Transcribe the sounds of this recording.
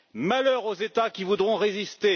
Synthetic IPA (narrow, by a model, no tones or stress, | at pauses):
malœʁozet̪akʲivud̪ʁɔ̃ʁezist̪e